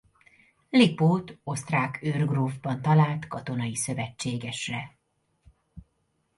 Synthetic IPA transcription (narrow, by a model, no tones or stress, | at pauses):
lipoːt̪o̞st̪raːkørɡroːvbɒnt̪ɒlaːlt̪kɒt̪o̞nɒjisø̞vɛt͡ʃːeːɡɛʃrɛ